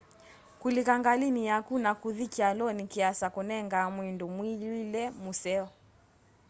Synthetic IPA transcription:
kulikaŋɡalinijakunakuðikialɔnikiasakunɛŋɡamwindumwililɛmusɛɔ

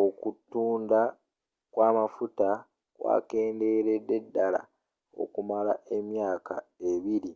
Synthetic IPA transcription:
o̞kutːuːnda | kwaːmafuta | kwa̰ːke̞ːnde̞ːɾede̞dːala̰ | o̞̰kumalaʔe̞mjaːka̰e̞βiɾi

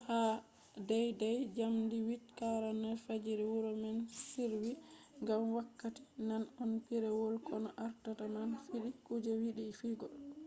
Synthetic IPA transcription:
ha | dajdajd͡ʒamdiwitkaɾanɛfad͡ʒiɾɛwuɾɔmɛnsiɾwi | ŋɡamwakːati̥nanɔnpiɾɛwɔlkɔnɔʔaɾtatamanfiɗikud͡ʒɛwiɗifiɡɔl

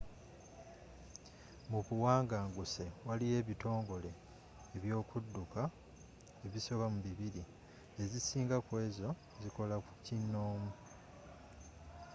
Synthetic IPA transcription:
muβuwaːŋɡaːŋɡuse̞walije̞ːβito̞ːŋɡo̞le̞ː | βjo̞ːkudːuka | eβiso̞βamuβiβiɾi | e̞zisiːŋɡakwe̞ːzo̞ | ziko̞lakucinːo̞ːmu

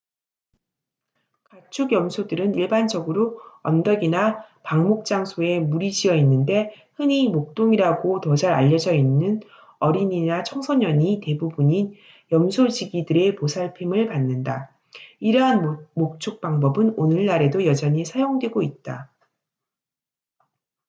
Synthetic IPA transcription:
kat͡ɕʰuɡjʌmsʰodɯɾɯniɭband͡ʑʌɡɯɾoʌndʌɡinapaŋmok̚t͡ɕ͈aŋsʰoe̞muɾid͡ʑiʌinːɯnde̞ | hɯnɲimok̚t͈oŋiɾaɡotʌd͡ʑaɾaʎːʌd͡ʑʌinːɯn | ʌɾiɲinat͡ɕʰʌŋsʰʌɲʌɲite̞bubuɲin | jʌmsʰod͡ʑiɡidɯɾe̞posʰaɭpʰimɯɭpanːɯnda | iɾʌɦanmok̚t͡ɕʰok̚p͈aŋbʌbɯnonɯɭnaɾe̞dojʌd͡ʑʌɲisʰajoŋdwe̞ɡoit̚t͈a

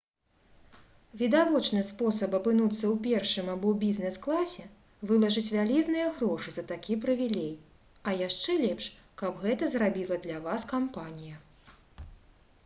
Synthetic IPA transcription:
vʲid̪avɔt͡ʂnɨspɔsɐpɐpɨnut̪sːɐwpʲɛrʂɨmabɔwbʲiznɛsklˠasʲɛ | vɨlˠɐʐɨt͡sʲvʲalʲɛznɨjɐɣɾɔʂɨzɐt̪akʲipɾɐvʲilʲɛj | ɐjaʂt͡ʂɛlʲɛpʂkɐbɣɛt̪ɐzrabʲilˠɐd̪lʲɐvaskampanʲijɐ

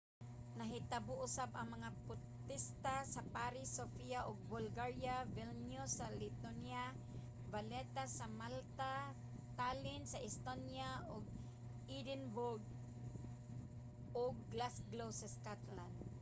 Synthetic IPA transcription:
naɦɪt̪abʊʔʊsabɐŋmɐŋapʊ | t̪ɪst̪asapaɾɪsofiaʔʊɡ̚bʊlɡaɹjavilnjʊsalɪt̪onja | balɛt̪asamalt̪a | t̪alɪnsaʔɪst̪onjaʔʊɡ̚ | id̪ɪnbʊɡ̚ | ʔʊɡ̚lasɡlowsaskat̪land̪̚

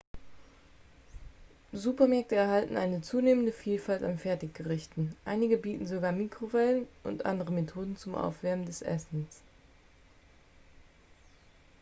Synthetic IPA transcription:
zuːpɐmɛɐk̚təɛɐɦaltn̩ʔaɪnət͡suːneːməndəfiːlfaltanfɛɐtɪçɡ̥əʁɪçtn̩ʔa̰ɪnɪɡəbiːtn̩zoɡaːmiːkʁ̥ovɛlənʔʊ̰ntʔa̰ndəʁ̞əmetʰoːdn̩t͡sʊmʔa̰ʊfv̥ɛɐbn̩dɛsʔɛ̰sn̩s

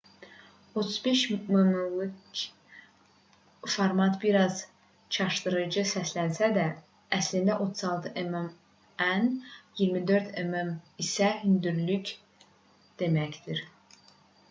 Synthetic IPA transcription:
o̞t̪ʰu̥zbe̞ʃmumulˠu | foɾmɑt̪biɾɑz | t͡ʃʰɑʃd̪ɯɾɯd͡ʒɯsæslænsæd̪æː | slind̪æʔo̞t̪ʰuzɑlˠt̪ʰɯʔemem | ænjiɾmid̪øɾt̪ʰememisæɦynd̪yɾlyc | d̪̥e̞mæcd̪iɾ

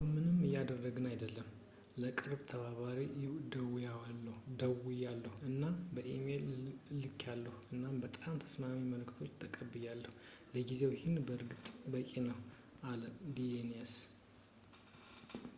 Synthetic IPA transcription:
mɨnɨmːɨjad̪ərːəɡɨnajd̪əlːəm | ləkʼɨɾbt̪ʰəβaβaɾid̪əwjawalːəhud̪əwujalːəhuɨnːabəʔemellɨkʰːalːəhuɨnːambət̪ʼamt̪ʰə̥smamiməlkt̪ʰo̞t͡ʃːt̪ʰəkʼəbːɨjalːəhu | ləɡize̞whɪnbəɾɡɨt̪ʼbəkʼenəw | ʔaləd̪ienas

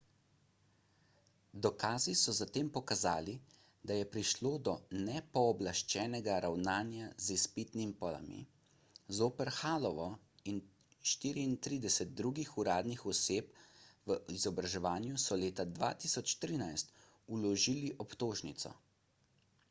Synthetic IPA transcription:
d̪ɔkaːzisɔzat̪eːmpɔkaza̰ːli | d̪ajɛpɾiʃloːd̪ɔnɛpɔːblaʃt͡ʃɛːnɛɡaɾawnaːnjazispit̪nimipɔla̰mḭ | zoːpɛɾxaːlɔʋɔ | in | ʃt̪iːɾiːnt̪ɾiːd̪ɛsɛt̪̚d̪ɾuːɡixuɾaːd̪nixɔseːpʋəizɔbɾaʒɛʋaːnjusɔleːt̪ad̪ʋa̰ːt̪isɔt͡ʃt̪ɾiːnajst̪ | ulɔʒiːliʔɔpt̪oːʒnit̪sɔ̰

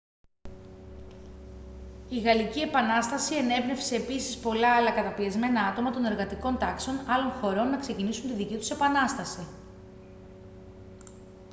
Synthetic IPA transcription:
iɣɐlicie̞pɐnɐst̪ɐsie̞ne̞vne̞fse̞ːpisi̥spo̞lɐɐlɐkɐt̪ɐpiɐzme̞nɐɐt̪o̞mɐt̪o̞ne̞ɾɣɐt̪iko̞nt̪ɐkse̞o̞nɐlo̞nxo̞ɾo̞nːɐkse̞cinisunt̪iðicit̪u̥se̞pɐnɐst̪ɐsi

